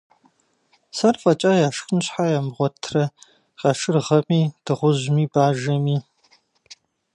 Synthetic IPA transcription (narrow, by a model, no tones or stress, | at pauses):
sɐrfʼɐt͡ʃʼɐjaːʂxɨnɕħajaːmʁʷɔtʰrɐ | qɐʂɨrʁɐmiːd̥ɨʁʷʊʑmiːbaːʒɐmiː